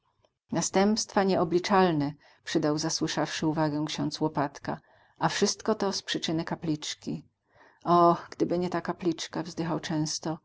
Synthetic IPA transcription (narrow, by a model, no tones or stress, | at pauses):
nast̪ɛmpst̪faɲɛɔblʲit͡ʂalnɛ | pʂɘd̪awzaswɘʂafʂɘuvaɡɛ̃kɕɔ̃nt̪swɔpat̪ka̰ | ʔafʂɘst̪kɔt̪ɔspʂɘt͡ʂɘnɘkaplʲit͡ʂkʲi | ɔɡ̥d̪ɘbɘɲɛt̪akaplʲit͡ʂkavzd̪ɘxawt͡ʂɛ̃w̃st̪ɔ